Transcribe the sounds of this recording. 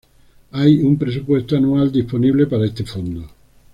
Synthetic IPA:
ajumpɾes̬upwest̪oanuald̪isponiβlepaɾaest̪efond̪o

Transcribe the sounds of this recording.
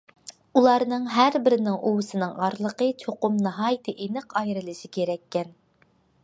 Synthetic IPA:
ulˠɑɾnɨŋɦæɾbɪɾɪnɪŋʔowɨsɨnɨŋɑɾlˠəqət͡ʃʰoqʊmnɨɦɑːjt̪ʰɨʔenɪqʰɑjɾɨlˠɨʃikʲeɾɛkʲːɛn

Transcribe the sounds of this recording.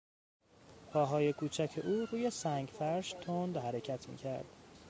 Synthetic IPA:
pʰɒːɦɒːje̞kʰuːt͡ʃʰæcʰe̞ʔuːɾuːje̞sæŋɟfæɾʃt̪ʰond̪ɦæɾe̞cʰæt̪ʰmḭːcʰæɾd̪̥

